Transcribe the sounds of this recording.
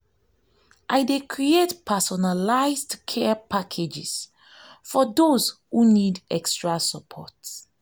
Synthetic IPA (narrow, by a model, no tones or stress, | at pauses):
ʔajdekʰɹietpʰɛsɔnalaɪzdkʰɛpʰakʰed͡ʒɪz̥ | fɔdozhunidɛkstɹasəpʰɔ̰t